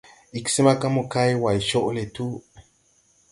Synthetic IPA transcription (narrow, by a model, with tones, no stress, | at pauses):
i˨kse˦ma˦ka˦mo˨ka˦jwa˨i˨ʃo˦ʔle˨t̪u˦